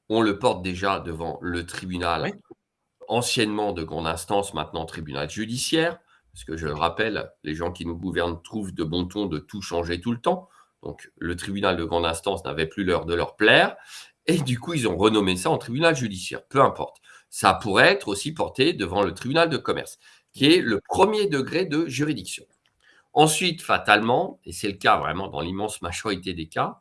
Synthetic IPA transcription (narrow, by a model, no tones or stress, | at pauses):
ɔ̃ləpɔʁt̪̚d̪eʒad̪əvɑ̰̃lət̪χibynal | ɑ̃sjɛnmɑ̃d̪əɡʁɑ̃d̪ɛ̃st̪ɑ̃smɛ̰̃t̪nɑ̃t̪χibyna̰lʒyd̪isjɛːʁ | paʁsə̥kəʒələʁapɛlːeʒɑ̃kʲinuɡuvɛʁnt̪χuvd̪əbɔ̃t̪ɔ̃d̪ət̪uʃɑ̃ʒet̪ult̪ɑ̃ | d̪̥ɔ̰̃klət̪χibynald̪əɡʁɑ̃d̪ɛ̃st̪ɑ̃sna̰vɛplylœʁd̪əlœ̰ʁplɛːʁ | ed̪ykuilzɔ̃ʁənɔmesaɑ̃t̪χibynalʒyd̪isjɛ̰ːʁpøɛ̃pɔ̰ʁt̪ | sapuʁɛɛt̪χosipɔʁt̪ed̪əvɑ̃lət̪χibynald̪əkɔmɛ̰ʁs | kʲiɛləpχəmjed̪əɡʁed̪əʒyʁid̪iksjɔ̰̃ | ɑ̃sɥit̪fat̪almɑ̃esɛləkavʁɛ̰mɑ̃d̪ɑ̰̃limɑ̃smaʒɔʁit̪ed̪eka